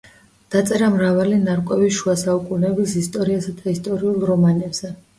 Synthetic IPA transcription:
d̪̥at̪sʼɛɾamɾavalinaɾkʼɛbiʃuasaukʼunɛbisist̪ʼɔɾiasad̪aist̪ʼɔɾiulˠɾɔmanɛbz̥ɛ

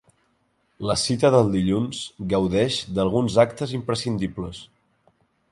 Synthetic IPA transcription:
ləsit̪əðəlˠd̪iʎunzɡəwðɛʃd̪əlˠɣ̞unzak̚t̪əzimpɾəsind̪ipləs

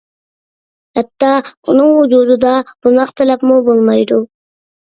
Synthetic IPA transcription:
hæt̪ːɑːʊnʊŋhʊd͡ʒud̪ʊd̪ɑb̥ʊnɑqt̪ʰælapmubolˠmɑjd̪ʊ

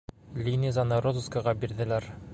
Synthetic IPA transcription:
lʲinʲizɑnɤɾozuskɑʁɑbiɾðɘ̆læɾ

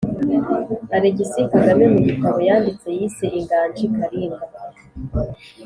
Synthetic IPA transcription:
aɾeɟisikaɡamemuɟikaβojaːndit͡se̞jiːseʔiŋɡaːnd͡ʒikaɾina

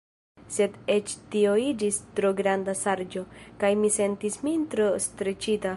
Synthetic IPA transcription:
se̞de̞t͡ʃtio̞id͡ʒistɾo̞ɡɾandasaɾd͡ʒo̞kajmise̞ntismintɾostɾe̞t͡ʃita

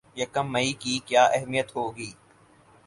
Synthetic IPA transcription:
jɐkɐmːɐikikjaːʔɛɦmijət̪ɦoːɡiː

